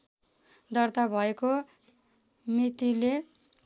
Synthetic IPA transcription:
d̪ʌrt̪abʱʌeko | mit̪ile

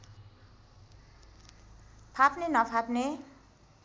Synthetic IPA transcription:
pʰapnenʌpʰapne

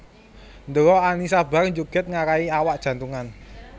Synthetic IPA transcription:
nd̪əɾɔanisab̥a̤rɲd͡ʒuɡ̥ɪ̤t̪̚ŋakaiawaʔd̥ʒ̥a̤nt̪uŋan

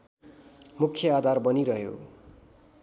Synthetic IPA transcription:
mukʰjʌad̪ʱarbʌniɾʌɦjo̰

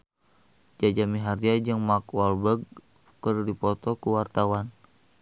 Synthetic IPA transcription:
d͡ʒad͡ʒamiɦariad͡ʒəŋmakwalbəɡ̚ | kərdipɔt̪ɔkuwart̪awan

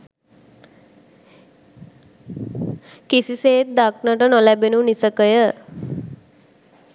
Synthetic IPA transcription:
kisiseːt̪̚d̪aknəʈənolæbenunisəkəjə

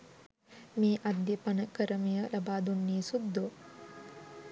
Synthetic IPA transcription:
miːʔɐd̪jɐpɐnɐkɐɾɐmijɐlɐbaːd̪unːiːsud̪ʱːo

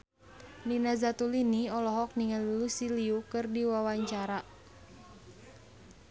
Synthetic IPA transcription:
ninazat̪uliniɔlɔɦɔk̚niŋəlulusiliukɨrdiwawaɲt͡ʃaɾa

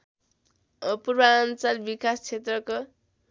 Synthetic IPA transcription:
ʌpurbaːnt͡salbikast͡sʰet̪rʌko

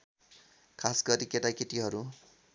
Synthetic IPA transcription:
kʰasɡʌɾikeʈakeʈiɦʌɾu

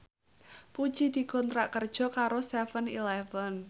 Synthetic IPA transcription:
pud̥ʒ̥id̪̥i̤kɔnt̪ɾaʔkərd̥ʒ̥ɔ̤kaɾost̪ɛfənḭlɛfən

